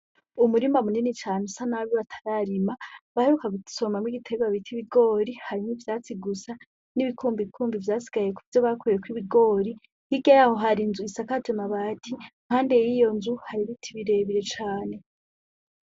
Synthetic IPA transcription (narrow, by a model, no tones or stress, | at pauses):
umuɾimamuninit͡ʃaːnusanaβiβatʰḁɾaɾimaβaheɾukaɡuso̞mamŋiɡitʰeβaβitʰiβiɡo̞ːɾihaɾimivjaːt͡siɡusa | niβikʰuːmbikʰuːmbivjaːsi̥ɡajekuivjoβakʰujekwiβiɡo̞ːɾi | hiɡajaho̞ɦaɾinzuisakaɟomaβaːtʰiŋ̥haːnde̞jijo̞nzuhaɾiβitʰiβiɾe̞βiɾe̞t͡ʃaːne̞